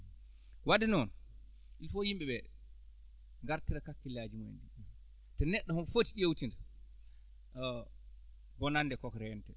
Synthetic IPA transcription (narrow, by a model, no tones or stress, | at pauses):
wadinɔn | ilfɔjimɓɛɓɛ | ŋɡaɾtiɾakakːilad͡ʒimḛndi | tɔnɛɗːɔhɔnfotiɗewtinda | ɡɔnandɛkɔkɾɛntɛ